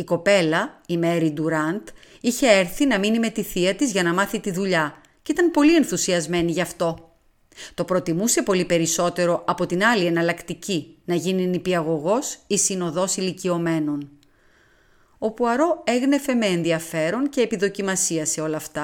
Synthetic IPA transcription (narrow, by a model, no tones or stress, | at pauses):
iko̞pe̞lɐime̞ɾid̪uɾɐnt̪ | içe̞eɾθinɐminime̞t̪iθiɐt̪izʝɐnɐmɐθit̪iðuʎɐ | ceit̪ɐnpo̞lie̞nθusiɐzme̞niʝɐft̪o̞ | t̪o̞pɾo̞t̪imuse̞po̞lipe̞ɾiso̞t̪e̞ɾo̞ʔɐpo̞t̪inɐlie̞nɐlɐkt̪icinɐʝininipiɐɣo̞ɣo̞sisino̞ðo̞silicio̞me̞no̞n | opuɐɾo̞e̞ɣne̞fe̞me̞ːnðiɐfe̞ɾo̞nce̞ːpiðo̞cimɐsiɐse̞o̞lɐft̪ɐ